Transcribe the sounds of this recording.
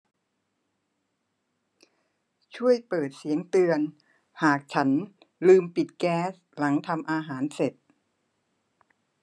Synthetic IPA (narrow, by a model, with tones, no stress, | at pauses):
t͡ɕʰu˥˩əjpɤː˨˩t̪̚si˩˦əŋt̪ɯ˧ən | haː˨˩k̚t͡ɕʰa˦˥n | lɯː˧mpi˨˩t̪̚kɛː˦˥s | la˩˦ŋt̪ʰa˧mʔaː˧ɦaː˩˦nse˨˩t̪̚